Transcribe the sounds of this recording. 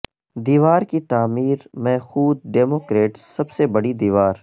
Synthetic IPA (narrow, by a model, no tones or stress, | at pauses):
d̪iːʋaːɾkit̪aːmiːɾmɛxuːd̪̚ɖeːmoːkɾeːʈsɐbsebɐɽid̪iːʋaːɾ